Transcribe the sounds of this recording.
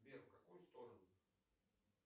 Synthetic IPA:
bʲeɾfkɐkujʊst̪oɾənʊ

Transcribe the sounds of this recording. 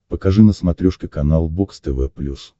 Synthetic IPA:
pəkɐʐɨnəsmɐt̪ɾʲuʂkʲɪkɐnalˠbokst̪ɛvɛplʲus

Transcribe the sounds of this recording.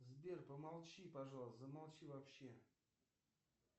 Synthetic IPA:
zbʲerpəmalˠt͡ɕipaʐalˠəsəmalˠt͡ɕivapɕːe

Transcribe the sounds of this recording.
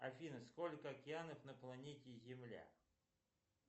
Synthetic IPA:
ɐfʲinəsko̞lʲkəɐkʲɪanəfnəplˠɐnʲetʲɪzʲɪmlʲa̰

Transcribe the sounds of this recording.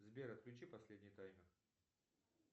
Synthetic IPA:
zbʲeɾɐt̪̚klʲʉt͡ɕipɐsʲlʲedʲnʲɪjt̪ajmʲɪr

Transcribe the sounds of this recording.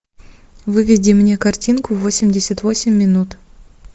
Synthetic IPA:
vɨvʲɪdʲimnʲekartʲinkʊvosʲɪmʲdʲesʲat̪vo̞sʲɪmʲːɪnut̪

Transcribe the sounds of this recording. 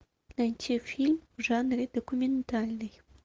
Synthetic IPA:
lænʲt͡ɕefʲilʲmʐɑnrʲed̪̥okumʲent̪alʲnɨj

